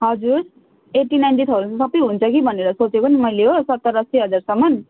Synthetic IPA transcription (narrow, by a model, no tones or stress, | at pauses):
ɦʌd͡zuɾ | eʈinajnʈit̪ʰʌɾusʌpːiɦunt͡sʰʌkibʱʌneɾʌsot͡sekonimʌjleɦosʌt̪ːʌɾʌsiɦʌd͡zarsʌmːʌn